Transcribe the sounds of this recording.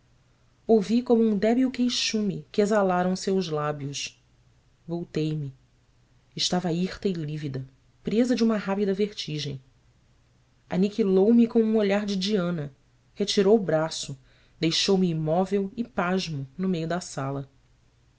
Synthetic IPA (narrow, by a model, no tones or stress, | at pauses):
owvikõmʊũd̪ɛbiʊkejʃũmɪkɪezalaɾɐ̃w̃sewʒlabjʊʃ | vowt̪ejmɪ | ɪʃt̪avɐiχt̪ɐɪlivid̪ɐ | pɾezɐd͡ʒɪũmɐɦapid̪ɐveχt͡ʃiʒẽj̃ | a̰nikilowmɪkõw̃ũoʎaɾd͡ʒɪd͡ʒiɐ̃nɐ | het͡ʃiɾowʊbɾasʊ | d̪ejʃowmɪːmɔvewɪpaʒmʊnʊmejʊd̪ɐsalɐ